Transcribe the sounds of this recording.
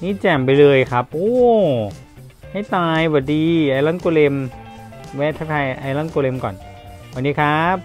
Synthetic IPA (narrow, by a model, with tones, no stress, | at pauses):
niː˦˥˩t͡ɕɛ˨˩mpa˧jlɤː˧jkʰa˦˥p̚ʔoː˧˩ | ha˥˩jt̪aː˧jbɔː˨˩diː˧ʔaː˧la˦˧˥ŋko˧le˧m | wɛː˦˥t̪ʰa˧˥kʰa˧jʔa˧jla˧˥˩ŋko˧le˧mkɔ̰ː˨˩n | wa˨˩diː˧kʰa˦˥p̚